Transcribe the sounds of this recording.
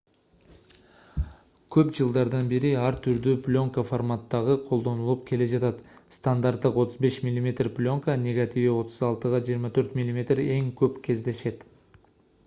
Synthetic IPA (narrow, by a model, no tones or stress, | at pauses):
kʲʰɵpʒəlˠd̪ɑɾd̪ɑnbe̞ɾɪɑɾt̪ʰʏɾd̪ʏplʲo̞ŋkaformat̪ːɑʁəqʰo̞lˠd̪onəlˠəpkʲʰe̞le̞ʒɑt̪ɑt̪st̪and̪art̪ːəqwo̞t̪əzbe̞ʃmʲilʲˠimʲe̞t̪rpʲlʲo̞ŋkənʲe̞ɡat̪iviwo̞t̪əzɑlˠt̪əʁɑʒijəɾmɑt̪ʰɵɾt̪mʲilʲˠimʲe̞t̪re̞ŋkʲʰɵpkʲʰe̞zd̪e̞ʃe̞t̪